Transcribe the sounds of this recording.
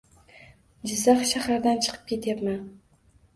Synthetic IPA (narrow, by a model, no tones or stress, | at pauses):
d͡ʒɪzaχʃahaɾd̪ant͡ʃʰɨ̥qʰɨ̥p̚kʲʰe̞t̪ʰjapman